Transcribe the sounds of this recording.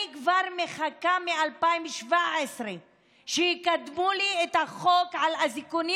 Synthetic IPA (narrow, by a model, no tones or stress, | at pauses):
ikvaʁmeχakamealpaimʃvaesʁe | ʃejikad̪muliet̪haχokʕalazikuni